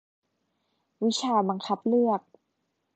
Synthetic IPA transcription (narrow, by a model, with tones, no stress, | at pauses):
wi˦˥t͡ɕʰaː˧ba˧ŋkʰa˦˥p̚lɯ˥˩ək̚